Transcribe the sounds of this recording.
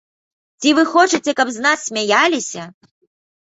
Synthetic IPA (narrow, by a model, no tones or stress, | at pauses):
t͡sʲivɨxɔt͡ʂɨt͡sʲɛkɐbznasːʲmʲajalʲisʲɐ